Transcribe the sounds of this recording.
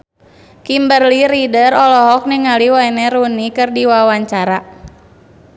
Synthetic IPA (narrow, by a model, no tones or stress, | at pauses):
kimbərliɾidərɔlɔɦɔk̚niŋaliwainɛɾunikɨrdiwawaɲt͡ʃaɾa